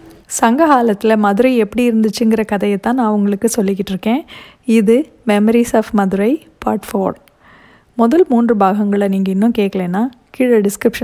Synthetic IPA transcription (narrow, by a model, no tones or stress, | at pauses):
sɐŋɡɐɣaːlɐt̪ːɪlɐmɐðʊɾɐɪɛpːɐɽiɪɾɯnd̪ɯt͡ʃːɯŋɡɪɾɐkɐðɐjɐt̪ːãːnãːɐʊŋɡɐɭɯkːɯsɔlːɪkːɪʈːɪɾɯkːẽː | ɪðɯ | mɛmɐɾiːsaːfmɐðɯɾɐɪ | pa̰ːʈfoːɾ | mʊðɐlmuːndrɯbaːɣɐŋɡɐɭɐniːŋɡɐɪnːɯ̃mkeːʈkːɐɭeːnːaː | kɪɻɐɖɪskɾɪpʂɐ